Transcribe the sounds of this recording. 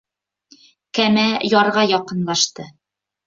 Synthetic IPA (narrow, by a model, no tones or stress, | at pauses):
kæmæjɒɾʁɑjɒqɤ̆nlˠɑʃt̪ɤ